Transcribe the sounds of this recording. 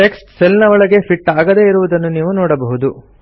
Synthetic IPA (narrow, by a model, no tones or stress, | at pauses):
ʈeksʈselnɐʋɐɭɐɡe̞pʰiʈːaːɡɐd̪e̞ːiɾuʋud̪ɐnːuniːʋunɔːɽɐbɐɦud̪u